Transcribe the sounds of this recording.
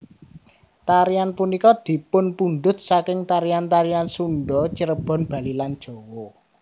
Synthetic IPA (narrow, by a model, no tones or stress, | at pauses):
t̪aɾianpunikɔd̪̥i̤pʊnpunɖʊ̤t̪̚sakɪŋt̪aɾiant̪aɾiansuɳɖɔt͡ʃəɾəb̥ɔ̤nb̥a̤liland̥ʒ̥ɔ̤wɔ